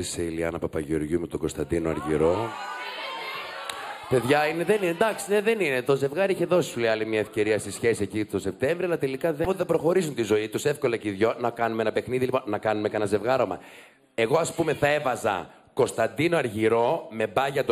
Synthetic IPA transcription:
iseiliɐnɐpɐpɐʝo̞ɾʝumet̪oɡo̞st̪ɐ̰nd̪inoɐ̰ɾʝḭɾo̞ | pe̞ðʝɐineðe̞nined̪ɐksine̞ðe̞ninet̪o̞ze̞vɣɐɾiiçe̞ðo̞si̥suleɐlimɲɐefce̞ɾiɐst̪isçe̞siecit̪o̞se̞p̚t̪e̞ɱvɾioɐlɐt̪e̞likɐðefoðebɾo̞xo̞ɾisunt̪izo̞it̪use̞fko̞lɐceiðʝonɐkɐnumeenɐpe̞xniðiliponnɐkɐnumekɐnɐze̞vɣɐɾo̞mɐ̰ | e̞ɣo̞ɐspume̞θɐe̞vɐzɐ̰ | ko̞st̪ɐnd̪ino̞ɐɾʝiɾo̞me̞bɐʝɐt̪

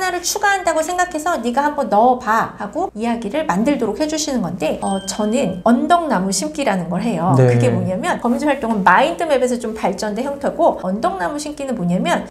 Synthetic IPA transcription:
naɾɯɭt͡ɕʰuɡaɦandaɡosʰe̞ŋɡakʰe̞sʰʌniɡahambʌnːʌpahaɡoijaɡiɾɯɭmandɯɭdoɾok̚he̞d͡ʑuɕʰinɯnɡʌnde̞ʌt͡ɕʌnɯnʌndʌŋnamuɕʰimk͈iɾanɯnɡʌɭɦe̞jokɯɡe̞moɲamjʌnkʌmind͡ʑʰoɦaɭt͈oŋɯnmaindʰɯme̞be̞s̬ʰʌt͡ɕompaɭt͡ɕ͈ʌndeçjʌŋtʰʌɡoʌndʌŋnamuɕʰimk͈inɯnmoɲamjʌn

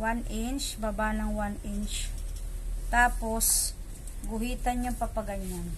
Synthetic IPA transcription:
wanʔɪnt͡ʃbabanɐŋwanɪnt͡ʃ | t̪aːpos | ɡʊɦiːt̪ɐɲɲaŋpɐpɐɡɐɲːan

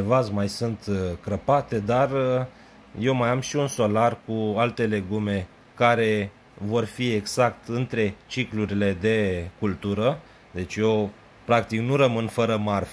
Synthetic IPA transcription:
vazmajsunt̪kɾəpat̪e̞d̪ar | je̞wmajamʃiunso̞larkualt̪e̞le̞ɡume̞ | kaɾe̞ | vo̞rfie̞ɡzak̚t̪ɨnt̪ɾe̞t͡ʃikluɾile̞d̪e̞kult̪uɾə | d̪e̞t͡ʃʲjo | pɾak̚t̪iknuɾəmɨnfəɾəmarf

